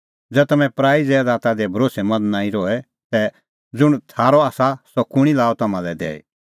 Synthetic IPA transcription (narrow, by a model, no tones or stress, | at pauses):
d͡zɛːt̪ɐmɛ̃pɾaːid͡zɛːd̪aːt̪ad̪ɛbʱɐɾoːsɛmɐd̪naːĩɾɔɛ | sɛ | d͡zʊɽ̃t̪ʰaːɾɔaːsasɔkʊɽ̃ilaːɔt̪ɐmãlɛd̪ɛ̰ːḭ